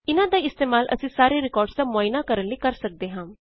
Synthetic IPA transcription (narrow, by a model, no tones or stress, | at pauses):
inad̪aist̪emaːlʔə̰sisaːɾeɾikɔːɾɖt͡samoinakəɾənlːikəɾsək̚d̪eɦãm